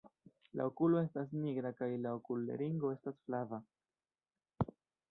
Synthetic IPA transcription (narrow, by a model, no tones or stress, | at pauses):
la̰okulo̞e̞stas̬niɡɾakajlaokulːe̞̰ɾiŋɡo̞e̞stasflava